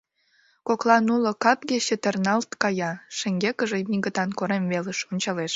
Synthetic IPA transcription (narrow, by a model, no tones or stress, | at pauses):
koklɑnulŏkɑpɣet͡ɕet̪ərnɑlt̪kɑjɑʃĕŋɡekəʒemiɣət̪ɑnkoɾemveleʃonʲt͡ɕɑleʃ